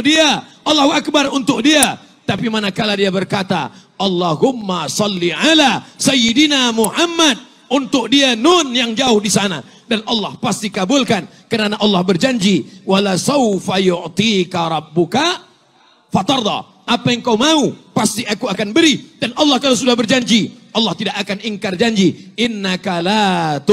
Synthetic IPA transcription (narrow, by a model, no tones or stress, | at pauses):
diaʔɑlːahuʔak̚barunt̪ʊk̚dia | t̪apimanakaladiabərkat̪a̰ | ʔɑlːɑɦʊmːasɑlːiʕalasajidinamuhamːat̪̚ | unt̪ʊk̚dianʊnjaŋd͡ʒaʊhdisana̰ | danʔɑlːɑhpast̪ikabʊlkan | kənanaʔɑlːɑhbərd͡ʒaɲd͡ʒiwalasawfajʊʕt̪ikaɾˤɑbːʊka | fat̪ɑrd̪ɑ̰ | ʔapaəŋkawmaupast̪iʔakuakanbəɾidanʔɑlːɑhkaluwsudahbərd͡ʒaɲd͡ʒiʔɑlːɑht̪idakakaniŋkard͡ʒaɲd͡ʒiʔɪnːakalat̪